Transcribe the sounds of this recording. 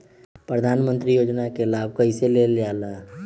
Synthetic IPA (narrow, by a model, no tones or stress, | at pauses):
pɾəd̪ʱaːnmə̃nt̪ɾijoːd͡ʒnakelaːb̚ʱkəiseleljaːlaː